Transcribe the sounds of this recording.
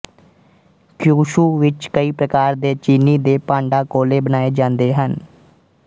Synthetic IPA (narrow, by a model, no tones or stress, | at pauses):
kjuːʃuːʋɪt͡ʃkəiːpɾəkaːɾd̪eːt͡ʃiːniːd̪eːpaːɳɖaːkoːleːbənaːeːd͡ʒãːnd̪eːɦən